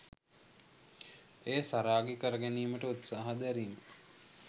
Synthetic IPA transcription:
eːsaɾaːɡekəɾəɡæniːməʈəut̪saːɦad̪æɾiːmə

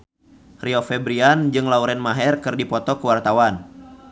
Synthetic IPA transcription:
riɔfɛbɾiand͡ʒɨŋlauɾɛnmaɦɛrkɨrdipɔt̪ɔkəwart̪awan

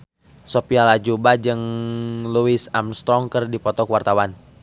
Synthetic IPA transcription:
sopialad͡ʒubad͡ʒɨŋluisamst̪ɾɔŋkɨrdipɔt̪ɔkuwart̪awan

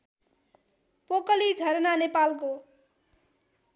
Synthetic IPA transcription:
pokʌlid͡zʱʌɾnanepalko

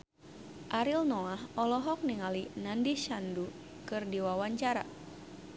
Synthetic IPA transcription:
ʔaɾilnɔlahɔlɔɦɔk̚niŋalinandiʃandu | kɨrdiwawaɲt͡ʃaɾa̰

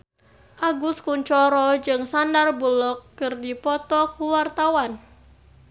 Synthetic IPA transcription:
ʔaɡuskuɲt͡ʃɔɾɔd͡ʒɨŋsandarbulɔkːɨrdipɔt̪ɔkuwart̪awan

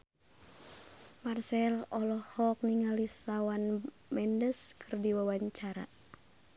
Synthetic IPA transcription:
marsɛlɔlɔhɔk̚niŋalisawan | mɛndəskʰərdiwawaɲt͡ʃaɾa̰

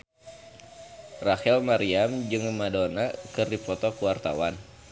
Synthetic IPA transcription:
rahɛlmaɾiamd͡ʒɨŋmadonakɨrdipɔt̪ɔkuwart̪a̰wan

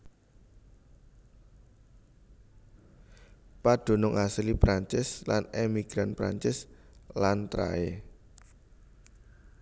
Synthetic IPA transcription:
paɖ̥o̤nʊŋʔaslipɾaɲt͡ʃɪslanemiɡ̥ɾanpɾa̰ɲt͡ʃɪslant̪ɾa̰e

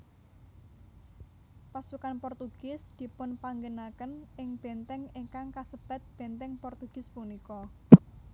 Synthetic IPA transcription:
pasukanpɔrt̪uɡ̥ɪsd̪̥i̤pʊnpaŋɡənakənɪŋb̥ɛnt̪ɛŋɪŋkaŋkasəb̥a̤t̪̚b̥ɛ̤nt̪ɛŋpɔrt̪uɡ̥ɪspunikɔ

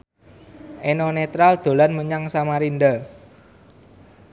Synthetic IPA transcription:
ʔenɔnet̪ɾald̪̥o̤lanməɲaŋsamaɾind̪a

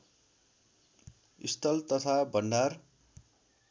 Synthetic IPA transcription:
ist̪ʌlt̪ʌt̪ʰabʌnɖar

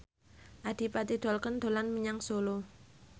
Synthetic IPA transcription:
ʔad̪̥i̤pat̪id̪̥ɔlkənd̪̥o̤lanməɲaŋsolo

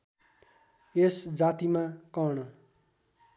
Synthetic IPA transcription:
esd͡zat̪imakʌɽʌ

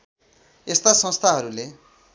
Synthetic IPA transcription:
est̪asʌ̃st̪ʰaɦʌɾule

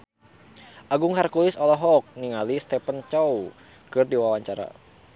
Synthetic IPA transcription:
ʔaɡuŋharkulisɔlɔɦɔk̚niŋalist̪ɛpənt͡ʃɔw | kɨrdiwawaɲt͡ʃaɾa̰

